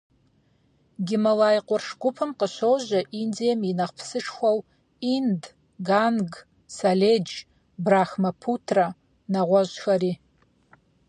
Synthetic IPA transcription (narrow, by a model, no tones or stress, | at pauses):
ɡʲɪmalajqʷʼʊrʂɡʷʊpʰɨmqəʃʷowʒʷaʔind͡zijaminaχpʰsɨʂʰxʷaw | ind | ɡanɡ | saled͡ʒ | braxmapʰutʰra | naʁʷaʒxari